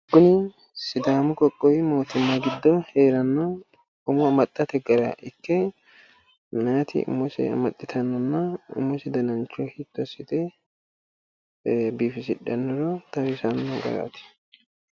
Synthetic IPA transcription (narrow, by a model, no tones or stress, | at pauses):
ɡʊnɪ | sɪd̪aːmʊkʼɔkʼːɔjmo̞ːt̪ɪmːɐɡɪd̪ːɔheːɾɐnːɔ | ʊmʊɐmɐt̪ʼːɐt̪ɛɡɐɾɐ̰ʔɪkːɛ | mnat̪ɪ̰ʊ̰mːɔsɛ̰ɐ̰mɐt̪ʼːɪt̪ʰɐnːɔnːɐʊ̰mːɔsɪd̪ɐnɐnt͡ʃːɔhɪt̪ːɔsɪt̪ɛ | biːfɪsɪᶑːɐnːɔɾɔt̪ɐwɪsɐnːɔɡɐ̰ɾa̰t̪ɪ̥